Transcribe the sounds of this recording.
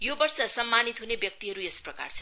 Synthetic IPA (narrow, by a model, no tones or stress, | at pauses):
jobʌrsʌsʌmːanit̪ɦunebjʌk̚t̪iɦʌɾuesprʌka̰rt͡sʰʌ̥